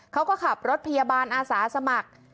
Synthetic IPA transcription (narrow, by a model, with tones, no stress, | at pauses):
kʰa˦˥wkɔː˥˩kʰa˨˩p̚ɾo˦˥t̪̚pʰa˧jaː˧baː˧nʔaː˧saː˩˦sa˧ma˨˩k̚